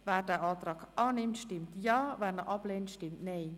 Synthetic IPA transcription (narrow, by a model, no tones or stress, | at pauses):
ʋɛːrdɛːʔɑːt̪rɑːkʔɑːnɪmtʃtɪmt̪jɑːʋɛːrnəʔɑpleːntʃtɪmtnej